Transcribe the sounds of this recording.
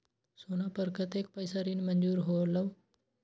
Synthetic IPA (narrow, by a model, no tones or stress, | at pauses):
sonapəɾkət̪ek̚pəjsaɾiːnmənd͡ʒuːɾɦoləʋ